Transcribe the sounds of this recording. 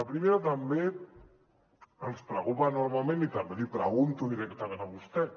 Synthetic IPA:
lapɾimeɾat̪ambe | əlspɾəkupanoɾmalmẽnit̪ambeðipɾəɣunt̪uðiɾɛkt̪aɣanaβust̪ɛ

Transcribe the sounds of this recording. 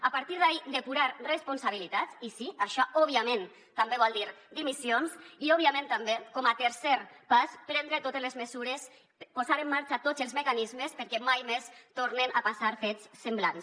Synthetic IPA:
apaɾt̪iɾðaid̪epuɾaɾrespunsaβ̞ilit̪at͡sisiaʃɔɔβiamẽn | t̪ambeβ̞ɔlˠd̪iɾd̪imisionsiɔβ̞iamẽnt̪ambekɔmat̪eɾsɛɾpaspɾɛnd̪ɾet̪ot̪ezlezmezuɾes | pozaɾemːaɾt͡ʃat̪ozelˠzmekanizmespeɾkɛmajmest̪oɾnenʔapasaɾfet͡sːemblans

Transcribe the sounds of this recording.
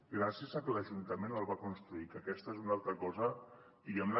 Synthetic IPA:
ɡɾasiəzəkələʒunt̪əmenəlˠβakunst̪ɾuikəkɛst̪əezunalˠt̪ɾəkɔzə | d̪iɣɛmlə

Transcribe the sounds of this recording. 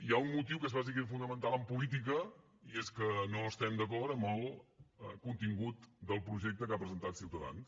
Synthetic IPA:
iaunmut̪iwkezβazik̬efund̪əmənt̪alˠəmpulit̪̬ik̬ə | ieskənoəst̪ɛmd̪əkɔt̪əməlˠəkunt̪iŋɡut̪d̪əlˠpɾuʒɛk̚t̪əkapɾəzənt̪at̪siwt̪əða̰ns

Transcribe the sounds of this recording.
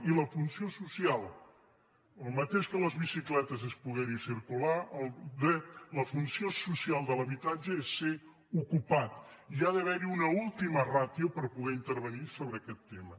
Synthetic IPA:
iləfunsiosusialˠ | əlˠmət̪eʃkələzβisiklɛt̪əzəspuɣɛɾisiɾkulaʔəlˠd̪ɛt̪ləfunsiosusialˠd̪ələβit̪ad͡ʒəesːe | ukupat̪iaðəβ̞ɛɾiunəulˠt̪imərat̪jupəɾpuɣɛint̪əɾβənisoβɾəːkɛt̪ːemə

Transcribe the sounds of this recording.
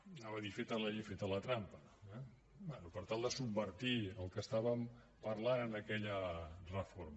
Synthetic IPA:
naβəðifet̪ələʎifet̪ələt̪ɾampə | ɛ | bɛnupəɾt̪alˠd̪əsubbəɾt̪iəlˠkəst̪aβəm | pəɾlanənəkɛʎərəfoɾm

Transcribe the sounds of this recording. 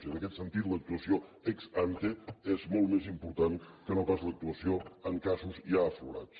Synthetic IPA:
ənəkɛt̪sənt̪it̪lək̚t̪uəsioɛkzant̪eezmɔlˠt̪mezimpuɾt̪aŋkənopazlək̚t̪uəsioəŋkazuziaəfluɾa̰t͡s

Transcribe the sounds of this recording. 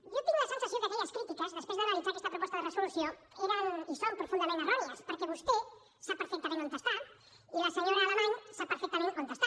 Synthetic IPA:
ʒot̪iŋuɐsensasjond̪eoɲɐskɾit̪ikɐzðespɾezðanalisaɾest̪ɐpɾopɔst̪aðeresolusjo | eɾaŋisompɾofund̪ɐmẽnaraβlɐspoɾkeβust̪o | sapeɾfek̚t̪amẽŋãnt̪est̪aɾ | iaseɲoɾaaːlemãŋsapeɾfek̚t̪aɾẽŋant̪est̪a

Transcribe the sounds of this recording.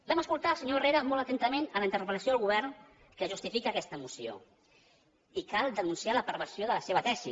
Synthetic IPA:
bɛməskulˠt̪alˠsəɲoereɾəmolˠt̪ət̪ɛnt̪əmenələint̪əɾrpələsioðəlˠɣuβ̞ɛrn | kəʒust̪ifikəkɛst̪əmusio̰ | ikalˠd̪ənunsialəpəɾβənsioðələseβət̪ɛsḭ

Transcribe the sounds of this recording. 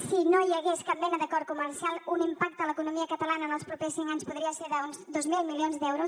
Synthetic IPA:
sinojəɣeskap̚bɛnəðəkɔɾkuməɾsialˠunimpak̚t̪ələkunumiəkət̪əlanəːnəlˠspɾupesːiŋkaɲspuðɾiəseɾðəunzd̪ozmilˠmilionzd̪ɛwɾus

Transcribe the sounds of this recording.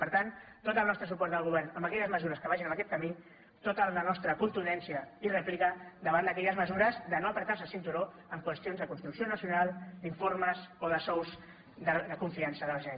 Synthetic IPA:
pəɾt̪ant̪ːot̪əlˠnɔst̪ɾəsupɔɾt̪d̪əlˠɣuβɛɾrnəmbəkɛʎəzməzuɾəskəβaʒinəməkɛt̪̚kəmi | t̪ot̪əənɔst̪ɾəkunt̪uɛnsiəirɛplikəd̪əβand̪əkɛʎəzməzuɾəzðənoəpɾət̪aɾsəsint̪uɾo | əmkwəst̪ionzðəkunt̪ɾuksionəsiunalˠd̪iɱforməzoðəsɔwz | d̪əd̪əkuɱfiansəðəʒɛ

